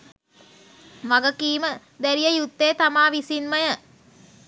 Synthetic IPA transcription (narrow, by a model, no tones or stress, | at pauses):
ʋaɡəkiːmə | d̪æɾijəjut̪ːeːt̪amaːʋisinməjə